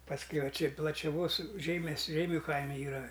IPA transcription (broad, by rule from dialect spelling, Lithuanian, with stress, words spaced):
pɐsʲˈkʲɛʊ ʋɐ ˈt͡ʃʲɪ plˠɐt͡ʃʲɛˈʋoːs ˈʒʲɛɪmʲɛs ˈʒʲɛɪmʲʊ ˈkɐɪmʲɛ ˈiːrɐ